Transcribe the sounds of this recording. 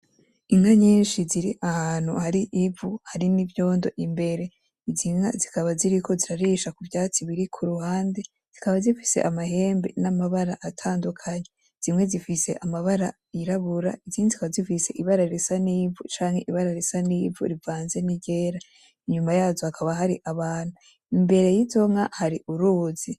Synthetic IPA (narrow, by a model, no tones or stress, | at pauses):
iŋaɲiːnʃiziɾiʔahaːn̥hṵhaɾiʔivuhaɾinivjo̞ːndo̞̰ʔimbe̞ɾe̞ | ziŋa̰zikaβaziɾikʰo̞ziɾaɾiːʃakuvjaːt͡siβiɾikʰuɾuhaːnde̞ | z̥ikaβazifi̥se̞̰ʔamaɦe̞ːmbe̞̰namaβaɾaʔatʰaːndukʰaɲe̞ | z̥imŋe̞zifise̞̰ʔamaβaɾa | iɾaβuɾa̰iziŋezikaβazifise̞ʔiβaɾaɾesaniːvut͡ʃaːŋhe̞ʔiβaɾaɾesaniːvṵɾivaːnze̞niɟe̞ːɾa | iɲumajaːzohakʰaβaɦaɾiʔaβaːn̥u | imbe̞ɾe̞jizo̞ŋahaɾiʔuɾuzi